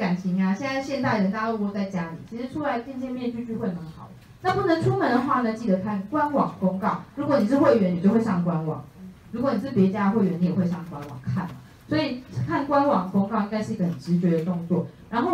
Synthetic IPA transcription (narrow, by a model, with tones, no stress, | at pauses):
ka˨˩nt͡ɕʰi˨˥ŋa˧ɕjɛ˥˧nt͡sa˥˧ɪɕjɛ˥˧nt̪a˥˩ɪɻə˧˦nt̪a˥˧o˥˧˥o˥˧t͡sa˥˩ɪt͡ɕja˦˥lḭ˨˩t͡ɕʰi˧˥ʂɻ̩˧˦ʈ͡ʂʰu˥la˧˦ɪt̪jɛ˥˧nt͡ɕjɛ˥˧nmjɛ˥˧nt͡ɕy˥˧t͡ɕy˥˧xwe˥˩ɪnə˧˦ŋxɑ˨˩˦ | na˥˧pu˥˩nə˨˦ŋʈ͡ʂʰu˥mə˧˦nd̪ə˧xwa˥˧nə˧˥t͡ɕi˥˩d̪ə˨˦kʰa˥˩nkwa˦˥nwɑ˨˩ŋko˥ŋkɑ˥˩ʊɻu˧˥kwɔ˧˦ni˨˩ʂɻ̩˥˧xwe˥˩ɥɛ˧˥ni˨t͡ɕjo˥˧ʊwe˧ʂɑ˥˩ŋk̬wa˦˥nwɑ̰˨˩˦ŋɻu˧˥kwɔ˨˦ni˨˩ʂ̩˥˩pjɛ˧˥t͡ɕja˥ə˧xe˥˩ɪɥɛ˧˦ni˧˥jxwe˥˧ɪʂɑ˥˩ŋkwa˦nwɑ̰˨˩ŋkʰa̰˥˩nə̰˩ | swɔ˧˥i˨˩˥kʰa˥˩nkwa˦˥nwɑ˨˩ŋəko˥ŋkɑ˥˧ʊi˥ŋɡa˥˧ɪʂ̩ɻ̩˩i˧ɡə˦˩hə˨˩nʈ͡ʂɻ̩˧˥t͡ɕɥɛ˧˥d̪ə˨t̪ʊ˥˧ŋt͡swɔ̰˥˨˩ɻa˧˦nxo˥˩ʊ